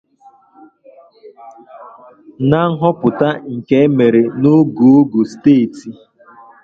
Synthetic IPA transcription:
na˦ŋ̩˦ɦɔ˦pʊ˨ta˦ŋ̩˨ke˦me˨ɾe˨no˦ɡo˨o˦ɡu˨steː˦˨ti˨

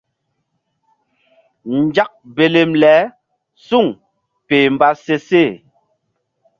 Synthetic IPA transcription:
n̩˨d͡ʒa˦k̚be˨le˨mlɛ˨˦ | su˦˨ŋ | peː˨m˨ba˦se˦se˦˨

